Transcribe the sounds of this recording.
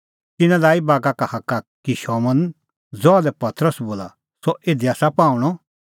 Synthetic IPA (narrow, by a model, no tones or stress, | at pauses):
kɪnãlaːibaːɡakahɐkːakiʃɔmɐn | d͡zɔadɛpɐt̪ɾəsboːla̰ | sɔʔeːd̪iaːsapãːũɽ̃ɔ